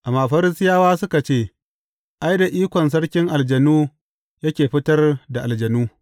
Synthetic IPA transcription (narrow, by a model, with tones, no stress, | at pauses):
ʔa˨maː˨ɸɐ˦ɾɪ˦sɪ˦jaː˦waː˦sʊ˦ka˨t͡ʃeː˦˨ | ʔa˦jda˨ʔiː˦kʷɔ˨ns̬ɐ˦ɽkʲɪ˦ŋʔa˨ld͡ʒɐ˨nuː˦ | jɐ˦kʲeː˨ɸɪ˦tɐ˦rda˨ʔa˨ld͡ʒɐ˨nuː˦